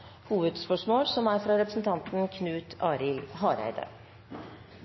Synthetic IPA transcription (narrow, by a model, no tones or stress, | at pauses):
huːʋəd̪spœʂmoːlsɔmæːɾfɾɑɾɛpɾəsn̩t̪ʰɑnt̪n̩kʰnʉːt̪ʰɑːɾɪlhɑːɾæ̰ɪd̪ə̰